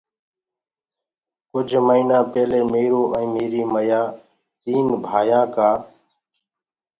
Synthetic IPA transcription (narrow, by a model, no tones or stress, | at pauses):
kʊd͡ʒʱməiːnãːpeːleːmeːɾoːʔəɛ̃ːmeːɾiːməjaː | t̪iːnbʱaːjãːkaː